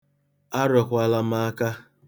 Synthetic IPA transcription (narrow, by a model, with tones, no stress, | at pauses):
a˦ɾɔ˨kʷa˨la˦m˦a˦ka˦